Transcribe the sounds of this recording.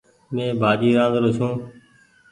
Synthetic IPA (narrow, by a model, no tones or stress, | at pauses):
mẽːbʱaːd͡ʒiːɾãːnd̪ɾoːsũː